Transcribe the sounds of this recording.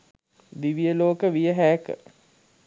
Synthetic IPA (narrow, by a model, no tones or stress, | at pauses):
d̪iʋijəloːkəʋijəɦæːkə̰